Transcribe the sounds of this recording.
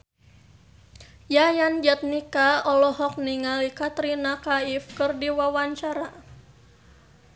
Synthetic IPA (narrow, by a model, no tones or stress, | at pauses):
jajand͡ʒɛt̪̚nikaɔlɔɦɔk̚niŋalikat̪ɾinakaifkɨrdiwawaɲt͡ʃaɾa